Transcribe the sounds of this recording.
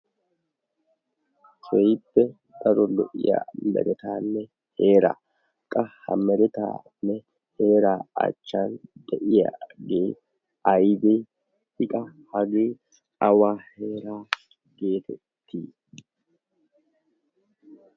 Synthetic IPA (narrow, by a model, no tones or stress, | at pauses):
sɛjɪpːɛ | d̪ɐɾɔlɔʔɪ̰ja̰mɛ̰ɾɛt̪aːnːɛ | he̞ːɾa̰ː | kʼːɐhɐ̰mɛɾɛt̪a̰ːnːɛ | he̞ːɾaːɐ̰t͡ʃːaːnd̪ɛʔɪja̰ɡeː | ɐjb̪eː | hɪkʼɐhɐɡeː | ɐwaːhe̞ːɾaː | ɡe̞ːt̪ʰɛtt̪ʰːiː